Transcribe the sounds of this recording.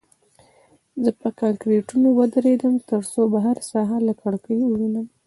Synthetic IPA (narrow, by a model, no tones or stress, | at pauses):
zəpəkalkɾeʈunowəd̪əɾed̪əmt̪əɾsobaɦaɾsɑɦalakʰaɽkəjuwunəm